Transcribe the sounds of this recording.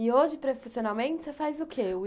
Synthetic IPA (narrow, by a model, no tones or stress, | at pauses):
ɪoʒɪpɾefisionawmẽnt͡ʃɪ̥sefajzʊkʰeʊ